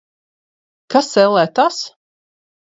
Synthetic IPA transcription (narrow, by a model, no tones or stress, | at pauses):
kasɛlˠɛːt̪as